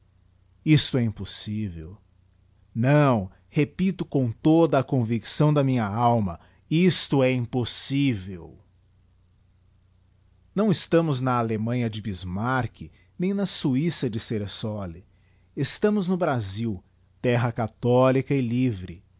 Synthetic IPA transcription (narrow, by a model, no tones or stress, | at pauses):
ist̪ʊɛĩposivḛw | nɐ̃w̃ | hepit̪ʊkõt̪od̪ɐːkõviksɐ̃w̃d̪ɐmĩɲɐawmɐ | ist̪ʊɛĩposivew | nɐ̃w̃ɪst̪ɐ̃mʊznɐalemɐ̃ɲɐd͡ʒɪbizmaɾkʰɪ | nẽj̃nɐsuisɐd͡ʒɪseɾesɔlɪ | est̪ɐ̃mʊznʊbɾaziw | t̪ɛɦɐkat̪ɔlikɐɪlivɾɪ̰